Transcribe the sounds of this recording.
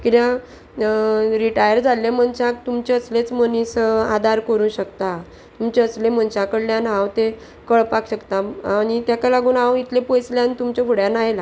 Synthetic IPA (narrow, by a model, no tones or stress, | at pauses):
kit̪jã | ɾiʈajəɾd͡zalːem̤ənt͡ɕak̚t̪umt͡ɕeəslet͡smənisad̪ʱaɾkəɾũːɕəkt̪a | t̪umt͡ɕeəslem̤ənt͡ɕãkəɽljãnɦãwt̪e | kəɭpakɕəkt̪aañit̪jakalaɡuːnãwit̪lepojsljant̪umt͡ɕekuɽjanajla